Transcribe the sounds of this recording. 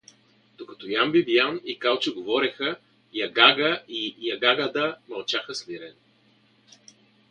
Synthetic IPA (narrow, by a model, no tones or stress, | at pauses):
d̪̥okɐt̪ɔjambibijanikalˠt͡ʃiɡovɔɾɛxə | jɐɡaɡəʔijɐɡaɡəd̪əmɐlˠt͡ʃaxəsliɾɛn